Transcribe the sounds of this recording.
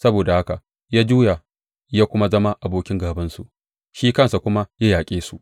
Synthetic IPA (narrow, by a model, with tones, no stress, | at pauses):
sɐ˦boː˨da˨ha˦ka˨ | jaː˦d͡ʒuː˦ja˨ | jaː˦kʷʊ˦ma˦zɐ˦ma˦ʔa˨boː˦kʲɪ˦ŋɡaː˨bɐ˦nsu˨ʔ | ʃiː˦kɐ˦˨nsa˨kʷʊ˦ma˦jaː˦jaː˨kʲʼeː˦su˨ʔ